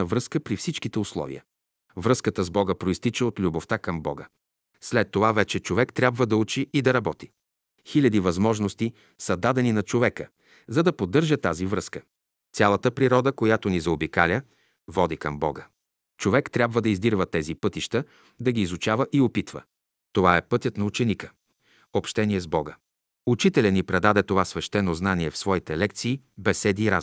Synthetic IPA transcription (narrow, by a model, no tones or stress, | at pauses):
ɐvɾɤskəpɾifsit͡ʃkit̪ɛʊslˠɔ̰vḭjə̰ | vɾɤskət̪əzbɔɡəpɾoist̪it͡ʃɛot̪lʲuboft̪akɐmbɔ̰ɡə̰ | slɛt̪ːovavɛt͡ʃɛt͡ʃovɛkt̪ɾʲabvəd̪ɐut͡ʃiːd̪ɐɾɐbɔt̪i̥ | xilʲɐd̪ivɐzmɔʒnost̪i | sɐd̪ad̪ɛninɐt͡ʃovɛkə | zɐd̪ɐpod̪ːɤɾʒət̪azivɾɤskə | t̪sʲalˠɐt̪əpɾiɾɔd̪əkojat̪onizɐobika̰lʲə | vɔd̪ikɐmbɔ̰ɡə | t͡ʃovɛkt̪ɾʲabvəd̪ɐizd̪iɾvət̪ɛzipɤt̪iʃt̪ə | d̪ɐɡiːzʊt͡ʃavəʔiopit̪və̰ | t̪ovaɛpɤt̪ʲət̪nɐut͡ʃɛnikə | opʃt̪ɛniɛzbɔɡə | ut͡ʃit̪ɛlʲɛnːipɾɛd̪ad̪ɛt̪ovasvɛʃt̪ɛnoznaniɛfsvɔit̪ɛlɛk̚t̪siː | bɛsɛd̪iːɾa̰z